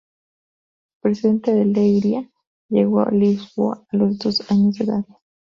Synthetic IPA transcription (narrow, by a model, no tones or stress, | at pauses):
pɾesiðent̪eðelejɾja | jeɣo̰lisboaːlozd̪osaɲozd̪eðað